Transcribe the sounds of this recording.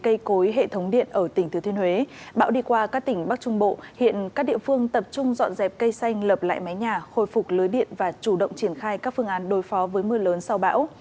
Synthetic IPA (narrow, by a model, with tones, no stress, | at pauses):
kə˧jko˨˦jɦḛ˧˨t̪ʰə˨˦wŋ͡mɗḭ˧˨ənʔəː˧˩t̪ï˩ŋ̟t̪ʰt̪ʰənhwe˨˦ɓa̰ː˧˥wɗi˧kwaː˧kaː˦˥k̚t̪ï˧˩ŋ̟ɓa˦˥k̚t͡ɕʊ˧ŋ͡mɓo̰˧˨hḭ˧˨ənkaː˦˥k̚ɗḭ˧˨əfɨ˧əŋt̪ə˨˩p̚t͡ɕʊ˧ŋ͡mzɔ̰˧˨nzɛ˨˩p̚kə˧jsa˧jŋ̟ləː˨˩p̚la̰ː˧˨jma˨˦jɲaː˨˩xo̰˧˨jfʊ˨˩k̚lɨː˨˦jɗḭ˧˨ənvaː˨˩t͡ɕu˧˩ɗə̰˧˨wŋ͡mt͡ɕi˧˩ənxaː˧jkaː˦˥k̚fɨ˧əŋʔaː˨˦nɗo˨˦jfɔ˨˦vəː˨˦jmɨ˧ləː˨˦nsa˧wɓa̰ː˧˥w